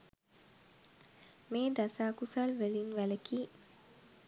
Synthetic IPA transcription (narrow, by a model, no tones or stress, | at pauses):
meːd̪asaːkusalʋelinʋæləkiː